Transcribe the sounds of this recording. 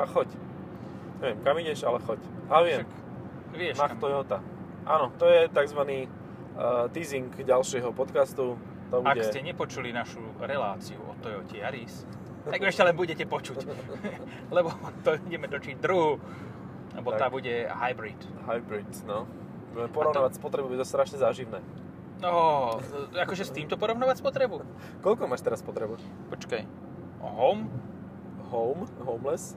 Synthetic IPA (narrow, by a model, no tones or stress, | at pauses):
axɔc | ɲɛʋɪjɛmkamiɟɛʃalɛxɔcalɛʋɪɛak | ʋɪɛʃmat̪ɔjɔt̪a | ʔaːnɔt̪ɔjɛt̪aɡzʋaniː | t̪iːziŋkɟalʃɪɛɦɔpɔt̪kast̪u | t̪ɔbuaɛscɛɲɛpɔt͡ʃulinaʃu | ɾɛlaːt͡siṵʔɔ̰t̪ːɔjɔcɛjaɾis | t̪aɡɛʃcɛlɛnbuɟɛcɛpɔt͡ʃuc | lɛbɔt̪ɔbuɟɛmɛt̪ɔt͡ʃiɟd̪ɾuɦu | lɛbɔaabuɟɛhajbɾit̪ | ɦajbɾit̪nɔ | pɔɾɔʋnaːʋacspɔt̪ɾɛbubuɛt̪ɔst̪ɾaʃɲɛzaːʒiʋnɛː | ɔ | akɔʒɛst̪iːmt̪ɔpɔɾɔʊnaːʋacspɔt̪ɾɛbu | kɔʎkɔmaːʃt̪ɛɾaspɔt̪ɾɛbu | pɔt͡ʃkaj | ɦɔm | ɦɔʊmɦɔʊmlɛs